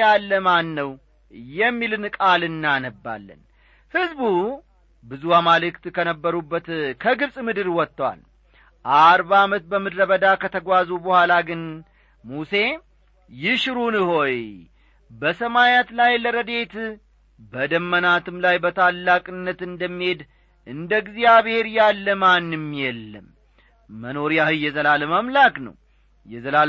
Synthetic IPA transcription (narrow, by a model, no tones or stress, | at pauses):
alːəmanːəw | jɛmːilɨnkʼalɨnːanəbːa̰lːə̰n | hɨzbu | bɨzuwamalɨkt̪kʰənəbːəɾubːət̪kʰəɡɨbsʼmɨd̪ɨɾwɔt̪ːwa̰l | ʔaɾbaːmət̪̚bəmɨd̪ɾəβəd̪akʰət̪ʰəɡʷazubəhʷalaɡɨn | muse̞ | jɪʃɾunɨho̞j | bəsəmajat̪lajləɾəd̪e̞t̪ | bəd̪əmːənat̪ʰɨmlajbət̪ʰalːakʼɨnːət̪ɨnd̪əmːihe̞d̪ | ʔɨnd̪əɡzijaβhe̞ɾjalːəmanːɨmjɛlːəmː | əno̞ɾijahɨjːɛzəlaləmamlaknə̰w | jɛzəla